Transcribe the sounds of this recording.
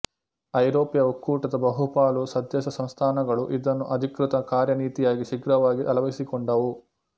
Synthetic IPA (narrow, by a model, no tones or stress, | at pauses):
ɐjɾoːpjɐukːuːʈɐd̪ɐbɐɦupaːlusɐd̪ʱjɐʃɐsɐ̃mst̪ʰaːnɐɡɐɭuʔid̪ɐnːuʔɐd̪ʱikɾɪt̪ɐkaːɾjɐniːt̪ijaːɡiʃiɡɾɐʋaːɡiʔɐlɐʋisikɔɳɖɐʋu